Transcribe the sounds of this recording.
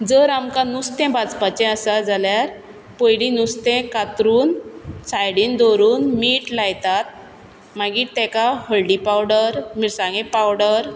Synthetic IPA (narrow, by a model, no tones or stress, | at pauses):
d͡zəɾamkanust̪ɛ̃bad͡zpat͡ɕɛ̃əsad͡zaljaɾ | pojlinust̪ɛ̃kat̪ɾuːnsajɽiːnd̪oɾuːnmiːʈlajt̪at̪̚ | maɡiːt̪ɛ̃kahəlɖipawɽəɾmiɾsãŋɡɛ̃pawɽəɾ